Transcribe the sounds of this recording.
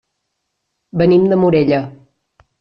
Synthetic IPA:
bənimd̪əmuɾeʎə

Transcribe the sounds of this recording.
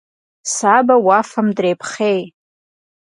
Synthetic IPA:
sabawafamdrejpʰχej

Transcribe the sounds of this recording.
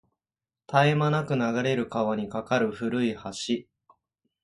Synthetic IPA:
t̪aemanakɯ̟naɡaɾe̞ɾɯ̟kaβaɲ̟ikakaɾɯ̟ɸɯ̟ɾɯ̟ihaɕi

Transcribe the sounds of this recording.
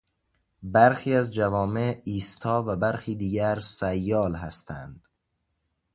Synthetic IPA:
bæɾxiːæzd͡ʒævɒːmeiːst̪ʰɒːvæbæɾxiːd̪iːɟæɾsæjːɒːlɦæst̪ʰæ̰nd̪̥

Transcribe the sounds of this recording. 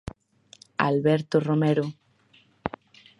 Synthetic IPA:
a̰lβeɾt̪oromeɾo

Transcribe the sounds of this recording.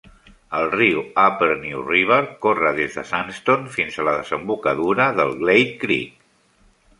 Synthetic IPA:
əlˠriuapəlˠniuriβ̞əɾkorəðezðəsanst̪onfinzələðəzəmbukəðuɾəðəlˠɣlejt̪̚kɾḭk

